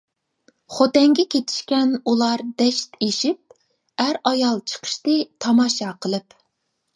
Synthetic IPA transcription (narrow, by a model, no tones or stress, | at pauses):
χot̪ɛŋɡʲɛkʲʰet̪ʰɪ̥ʃkʲɛnulˠɑɾd̪ɛʃt̪eʃip̚ | æɾɑjɑlˠt͡ʃʰə̥qʰə̥ʃt̪ɨt̪ʰɑmɑʃɑqʰəlˠɨp